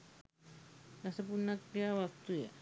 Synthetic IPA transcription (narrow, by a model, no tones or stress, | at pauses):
lasəp̬unakiawak̚t̪uja